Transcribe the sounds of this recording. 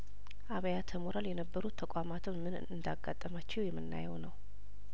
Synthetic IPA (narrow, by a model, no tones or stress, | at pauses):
ʔaβəjat̪ʰəmoɾaljɛnəbːəɾut̪ʰːəkʼamat̪ʰɨnmɨnɨ̰ɨnd̪aɡːat̪ʼːəmat͡ʃːɛwjɛmːɨnːa̰jɛwnəw